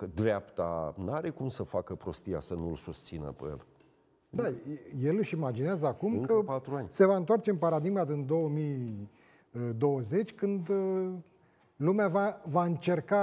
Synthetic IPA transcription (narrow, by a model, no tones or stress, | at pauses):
kəd̪ɾeapt̪a̰naɾekumsəfakəpɾost̪ija̰sənulsust̪sinə̰pḛjḛl | d̪aje̞lɨʃimad͡ʒineazəakumkəpat̪ɾuanʲse̞vaɨnt̪wart͡ʃeɨnpaɾad̪iɡmad̪ɨnd̪o̞wəmi | d̪o̞wəze̞t͡ʃʲkɨnd̪ | lumeavavaɨnt͡ʃe̞rka